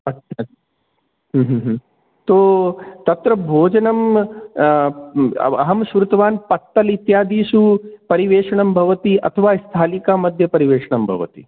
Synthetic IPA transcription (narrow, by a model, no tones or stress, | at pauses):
ɐt͡ʃʰa | ɦːɦɦ | t̪oːt̪ɐt̪ɾɐbʱoːd͡ʒɐnɐm | ɐ̰ɦɐmʃʋɾut̪ɐʋaːnpɐt̪ːɐlit̪jaːd̪iːʃupɐɾiʋeːʂɐɳɐmbʱɐʋɐt̪iɐ̰t̪ʰɐʋaːist̪ʰaːlikaːmɐd̪ʱjɐpɐɾiʋeːʂɐɳɐmbʱɐ̰ʋɐ̰t̪i